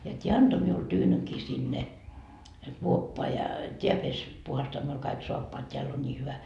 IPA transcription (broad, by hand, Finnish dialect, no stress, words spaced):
jɑ tʲiæ ɑnto miul tyːnykiː sinːe kuopːoɑ jɑ tʲiæ pes puhɑstoɑ miul kɑik soɑpːoɑt tʲeælː on nʲiː hyʋæ